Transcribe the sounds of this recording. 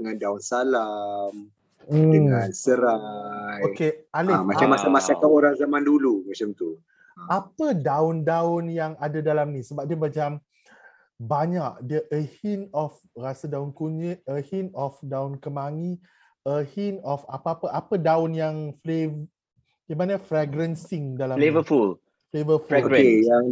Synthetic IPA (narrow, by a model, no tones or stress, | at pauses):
əŋandaʊnsalam̩ | dəŋãnsəɾajokealimat͡ʃamasamasakaoɾaŋzamãndulumat͡ʃamt̪u | apədaʊndaʊnjaŋadadalamnĩsəbap̚diəbad͡ʒam | baɲaʔdiəʔəhinɔf | rasədaʊnkuɲəəhinɔfdaʊnkəmaŋi | əhinɔfapəapəʔapədaʊnjaŋflev | ɡemanəfɾɛɡɾɛnsiŋdalamlevəful | flevəfuoejaŋ